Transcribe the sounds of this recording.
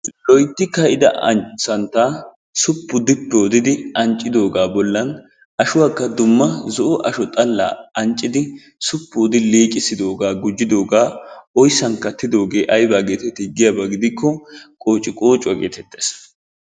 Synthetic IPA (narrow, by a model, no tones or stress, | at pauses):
lɔjt̪ːɪkːɐɪd̪ɐ̰sɐnt̪aː | sʊpːʊd̪ɪpːɛɔd̪ɪd̪ɪɐnt͡ʃʼːɪd̪o̞ːɡaːbɔlːɐn | ɐʃʊwaːkːɐd̪ʊmːɐzɔʔɔʔɐʃɔt̪ʼɐlːa̰ːɐnt͡ʃʼːɪd̪ɪ | sʊpːʊːd̪ɪliːkʼɪsɪd̪o̞ːɡaːɡʊd͡ʒːɪd̪o̞ːɡaːɔjsːɐŋkːɐt̪ːɪd̪o̞ːɡe̞ːʔɐjbaːɡeːt̪ɛt̪ːɪɡɪjabɐɡɪd̪ɪkːɔkʼo̞ːt͡ʃʼːɪkʼo̞ːt͡ʃʼːʊɐɡḛːt̪ɛt̪ːeːs